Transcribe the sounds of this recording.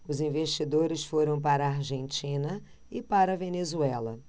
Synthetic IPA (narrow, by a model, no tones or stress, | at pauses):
ʊzĩveʃt͡ʃid̪oɾɪsfoɾɐ̃w̃paɾɐːɾʒẽnt͡ʃĩnɐ | ɪpaɾɐvenezuɛlɐ